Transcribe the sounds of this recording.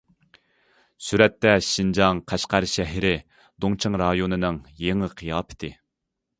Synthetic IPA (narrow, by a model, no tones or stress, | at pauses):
syɾɛt̪ːɛʃind͡ʒɑŋqʰæʃqæɾʃɛɦɪɾɪ | d̪oŋt͡ʃʰɨŋɾɑjonɨnɨŋjeŋɨqʰijɑːpʰɪ̥t̪ʰɪ